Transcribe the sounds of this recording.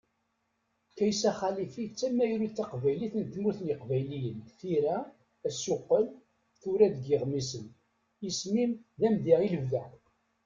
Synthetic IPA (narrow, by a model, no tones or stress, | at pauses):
kæjsæχælifit͡sːæmːæjɾut͡sːɑqvæjliθənt̪muθniqvæjlijənθiɾæ | æsʊqːəl | θuɾæd̪ɡəʁmisən | ismimðæmðiʁiləvðæ